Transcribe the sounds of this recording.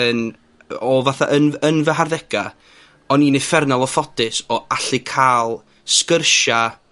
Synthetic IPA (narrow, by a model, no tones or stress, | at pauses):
ən | ɔvaθa̰ʔənənvəɦarðɛɡ̥a | ɔniːnɪfɛrnalˠɔfɔdɪsɔaɬɪkʰaːlˠ | skərʃa